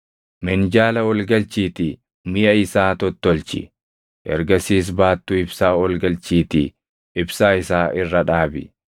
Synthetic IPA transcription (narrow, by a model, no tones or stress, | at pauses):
mɛnd͡ʒaːlɐwɔlɡɐlt͡ʃiːt̪ɪ | mɪjɐɪsaːt̪ɔt̪ːɔlt͡ʃɪ̰ | ʔɛ̰ɾɡɐsiːs̬baːt̪ːʊɪbsaːɔlɡɐlt͡ʃiːt̪ɪ̰ | ɪbsaːɪsaːʔɪrːɐᶑaːbɪ̰